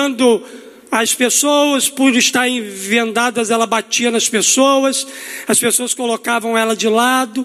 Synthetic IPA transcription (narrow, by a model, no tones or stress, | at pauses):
nd̪ʊ | ɐspesowɐspuɾʊɪst̪aɾẽvẽnd̪ad̪ɐzɛlɐbat͡ʃiɐnɐspesowɐsɐspesowɐskolokavɐ̃w̃ɛlɐd͡ʒɪlad̪ʊ